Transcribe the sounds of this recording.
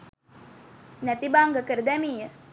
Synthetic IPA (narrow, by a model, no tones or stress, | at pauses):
næt̪ibaŋɡəkəɾəd̪ɛmiːjə